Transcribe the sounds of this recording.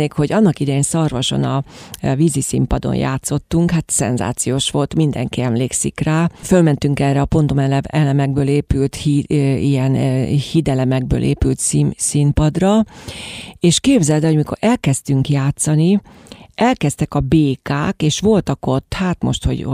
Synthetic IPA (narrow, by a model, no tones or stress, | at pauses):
eːkho̞ɟɒnːɒkid̪ɛjeːnsɒrvɒʃo̞̰nɒvizisḭmpɒd̪o̰nja̰ːt̪so̞t̪ːuŋkhaːt̪sɛ̰nza̰ːt̪sijoːʃʋo̞lt̪mind̪ɛ̰ŋkiɛmleːksḭkraːfølmɛnt̪yŋkɛrɛɒpo̞nt̪omɛlɛvɛlɛmɛɡ̚bøːleːpylt̪hiijɛnhid̪ɛlɛmɛɡ̚bø̰ːlʔḛːpylt̪sisimpɒd̪rɒ | eːʃkeːbzɛlt̪ɛɦojmiko̞̰ɾʔɛlkɛst̪yŋkjaːt̪sɒni | ɛlkɛst̪ɛkɒbeːkaːkeːʃʋo̞lt̪ɒko̞t̪ːhaːt̪mo̞̰ʃt̪ho̞̰ɟ